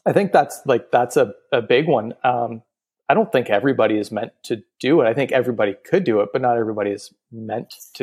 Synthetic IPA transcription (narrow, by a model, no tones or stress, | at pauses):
aɪθɪ̃ŋk̚ðætslaɪk̚ðætsɨɨbɪɡwʌ̃nʌ̃m | aɪɾõʊ̃nθɪ̃ŋkɛvɹibɑɾiɨzmɛ̃ntʰɨd̥ɨɪɾaɪθɪ̃ŋkɛvɹibɑɾikʰɨdɨɪt̚b̥ʌtⁿnəɾɛvɹibɑɾiɨz̥ | mɛ̃ntʰɨ